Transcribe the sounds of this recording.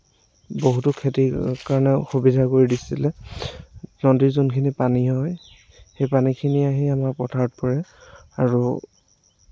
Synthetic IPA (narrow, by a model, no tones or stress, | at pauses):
boɦutʊkʰetikaɹɔnɛxubidʱakoɹidisilɛ | nɔndiɹzunkʰinipaniɦɔj | xejpanikʰiniaɦiamaɹpɔtʰaɹɔt̚pɔɹɛaɹu